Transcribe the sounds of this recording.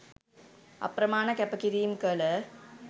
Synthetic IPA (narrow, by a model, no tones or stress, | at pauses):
ɐ̰pɾɐmaːɳɐkɐpːɐkiɾimkɐlə